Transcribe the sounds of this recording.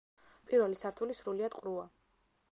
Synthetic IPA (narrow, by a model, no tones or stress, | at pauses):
pʼiɾvɛlisaɾt̪ʰulisɾuliad̪̥qʼɾua